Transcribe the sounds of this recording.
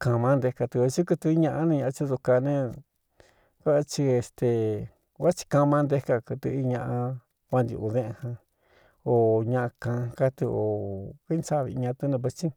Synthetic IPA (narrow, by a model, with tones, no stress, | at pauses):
kã˧mã˧˦nd̪e˧ka˧t̪ɨ˧e˧t͡ʃi˦kɨ˧t̪ɨ˧i˦ɲã˧ʔa˧˦nẽ˧ɲã˧t͡ʃi˧˦ðu˧ka˧nẽ˦˧ | ka˦ʔt͡ʃi˧e˧˨st̪e˨ | wa˦t͡ʃi̥˧kã˧mã˧nd̪e˦ka˧kɨ˧t̪ɨ̰˧i˧ɲã˧ʔã˧ | wa˧nd̪ʲḭ˧u˧ðẽ˦˧hã˧ | o˨ɲã˧ʔa˧kã˧ka˦t̪ɨ˧o˨ki˦nsa˦˨βḭ˧ɲã˧t̪u˧˦nẽ˧βe˧t͡ʃi˦